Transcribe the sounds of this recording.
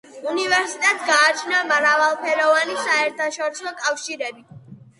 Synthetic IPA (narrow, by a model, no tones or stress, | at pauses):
univɛɾsit̪ʼɛt̪ʼɡaːt͡ʃʰnamɾavalˠpʰɛɾɔvanisaɛɾt̪ʰaʃɔɾisɔkʼafʃiɾɛbi